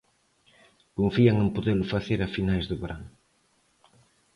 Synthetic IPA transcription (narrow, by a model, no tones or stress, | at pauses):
koɱfiaŋẽmpoðelʊfaθeɾafinajzðʊβeɾan